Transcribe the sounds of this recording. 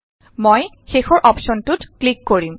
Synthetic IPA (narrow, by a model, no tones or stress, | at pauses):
moj | xexɔɹʔɔpʃɔntutklikːoɹim